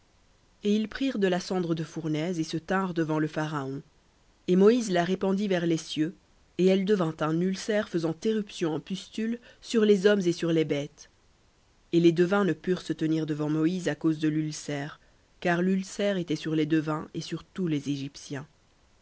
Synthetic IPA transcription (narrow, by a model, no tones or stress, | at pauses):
eilpχiʁd̪əlasɑ̃d̪ʁəd̪əfuʁnɛzesət̪ɛ̃ʁd̪əvɑ̃ləfaʁaɔ̃ | emɔizlaʁepɑ̃d̪ivɛʁlesjø | eɛld̪əvɛ̃t̪ɛ̃nylsɛʁfəzɑ̃t̪eʁypsjɔ̃ɑ̃pyst̪yl | syʁlezɔmzesyʁlebɛt̪ | eled̪øvɛ̃nəpyʁsət̪əniʁd̪əvɑ̃mɔizakozd̪əlylsɛʁ | kaʁlylsɛʁet̪ɛsyʁled̪øvɛ̃esyʁt̪ulezeʒipsjɛ̃